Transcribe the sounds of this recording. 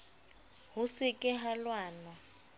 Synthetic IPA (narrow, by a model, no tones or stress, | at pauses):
ɦʊsɪkʼɪɦalwaːnɔ